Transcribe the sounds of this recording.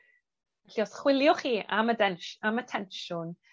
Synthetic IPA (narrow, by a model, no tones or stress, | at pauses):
ɛɬiɔsχwɪlˠjɔχiːʔamədɛnʃamətʰɛnʃʊn